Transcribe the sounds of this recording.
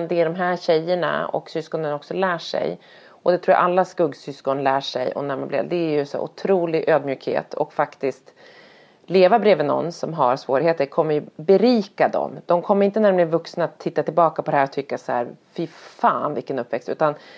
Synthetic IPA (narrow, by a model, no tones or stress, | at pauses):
nd̪ɛæɖɔmɦæːɾɕɛjːəɳa̰ɔ̰ksʏskɔnənɔksɔlæːʂɛ̰j | ʔɔd̪ɛt̪ʰɾuːja̰ʔalːaskɵɡsʏskɔnlæːʂɛ̰jɔ̰næma̰nblḛvd̪ɛæɾjɵsæ̰ʔʊ̰t̪ʰɾuːlɪɡʔøːd̪mjʉ̟ːkhḛːt̪ʰɔ̰kfakt̪ɪskt̪ | leːvabɾeːvɪnɔ̰nːsɔmɦaɾsvoːɾɪheːt̪əɾkʰɔmːəɾjɵbɛɾiːkad̪ɔ̰md̪̥ɔmkʰɔmːəɾɪnt̪ənæɾɖɔmlɪənvɵksnaːt̪ʰːɪt̪ːat̪ɪlbɑːkapʰɔd̪ɛhæːɾɔt̪ʰʏkːashæ̰ɾfɪfaːnvɪkːənɵpːvɛkst̪ʉ̟ːt̪an